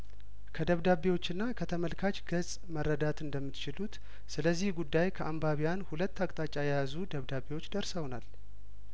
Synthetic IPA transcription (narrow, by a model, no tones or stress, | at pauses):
kʰəd̪əβd̪aβewo̞t͡ʃːɪnːakʰət̪ʰəməlkʰat͡ʃʼɡəzʼ | mərːəd̪at̪ɨnd̪əmːɨt̪t͡ʃɪlut̪ | sɨləzːihɡud̪ːajkʰəʔambaβijanhulət̪ːakʼt̪ʼat͡ʃʼajɛjazud̪əβd̪aβewo̞t͡ʃːd̪əɾsəwnal